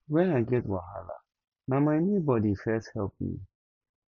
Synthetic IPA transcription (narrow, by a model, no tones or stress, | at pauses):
wɛ̃naɪɡɛt̚waɦa̰la̰ | nãmaɪnibɔdifɛshɛlˠp̚mḭ